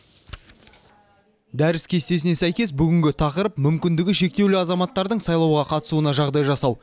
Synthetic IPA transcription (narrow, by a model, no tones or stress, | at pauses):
d̪æɾɪskʲʰe̞st̪e̞sɪne̞sæjkʲe̞sbʏɡʲɪŋɡʲɪt̪ʰɑqəɾəpmʏmkʲɪnd̪ɪɡʲɪʃe̞k̚t̪e̞wlɪɑzɑmɑt̪ːɑɾd̪əɴsɑjlˠɑwʁɑqʰɑt̪ə̥suənɑʒɑʁd̪ɑjʒɑsɑw